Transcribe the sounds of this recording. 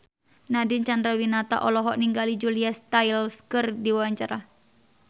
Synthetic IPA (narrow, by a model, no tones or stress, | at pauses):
nadint͡ʃand̪ɾawinat̪a̰ʔɔlɔɦɔʔniŋɡalid͡ʒuliast̪ailskɨrdiwawaɲt͡ʃaɾa